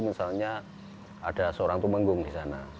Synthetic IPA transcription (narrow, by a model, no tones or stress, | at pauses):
misalɲa | ad̥asəoɾaŋt̪uməŋɡʊŋdisana̰